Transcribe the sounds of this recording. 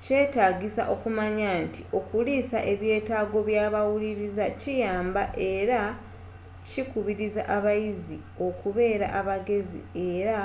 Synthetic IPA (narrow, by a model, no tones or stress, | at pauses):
ce̞ːtaːɡisa̰ʔo̞kumaɲantio̞kulisaʔe̞βje̞ːtaːɡo̞βjaːβawuliɾizacijaːmbaʔe̞ɾa | cikuβiɾiza̰ʔaβajizi | o̞kuβe̞ːɾaʔaβaɡe̞zḭe̞ːɾa